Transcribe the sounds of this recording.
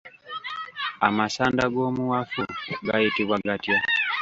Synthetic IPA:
amasandaɡomuwafuɡaitiβwaɡatia

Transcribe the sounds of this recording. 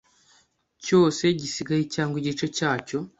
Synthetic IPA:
co̞ːse̞ɟisiɡajicaːŋɡwiɟit͡ʃe̞caːco̞

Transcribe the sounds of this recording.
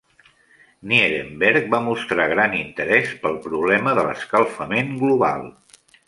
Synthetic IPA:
nieðembɛɾk̚bamust̪ɾaɣ̞ɾanint̪əɾɛspəlˠpɾuβlɛməðələ̰skəlˠfəmeŋɡluβa̰lˠ

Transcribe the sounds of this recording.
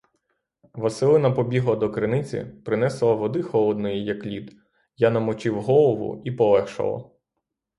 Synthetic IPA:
ʋɐsɪlˠɪnɐpɔbʲiɦlˠɐd̪ɔkɾɪnɪt͡sʲḭpɾɪnɛslˠɐʋɔd̪ɪxɔlˠɔd̪nɔjijɐklʲid̪ | janɐmɔt͡ʃɪwɦɔlˠɔʋʊ̰ipɔlˠɛxʃɐ̰lˠɐ̰

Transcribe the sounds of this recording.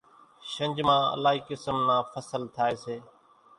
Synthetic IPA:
ʃə̃ɲd͡ʒmãːə̰laːɦiːkɪsəmnãːfʰəsəlt̪ʰaːeːseː

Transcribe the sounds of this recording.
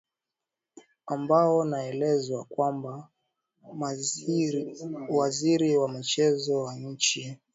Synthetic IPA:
ambaɔnaɛlɛzwakwamba | waziɾiwamit͡ʃɛzɔwaɲ̩t͡ʃi

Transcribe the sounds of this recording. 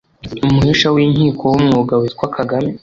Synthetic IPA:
umuhiʃawiːɲhiːkʰo̞wumŋoːɡawitkwakʰaɡami

